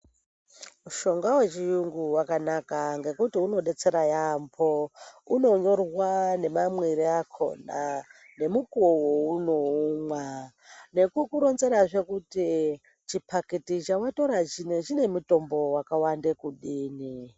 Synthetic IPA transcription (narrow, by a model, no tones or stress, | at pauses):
muʃo̞ŋɡawet͡ʃijuŋɡuwakanakaŋɡe̞kutiuno̞ɗe̞t͡se̞ɾajampʰouno̞ɲo̞rwane̞mamweɾiakʰo̞̰na | ne̞mukuowouno̞umwa | ne̞kukuɾo̞nze̞ɾaʐe̞kuti | t͡ʃipʰakitit͡ʃawato̞ɾaineʒine̞muto̞mbo̞wakawandekuɗiːni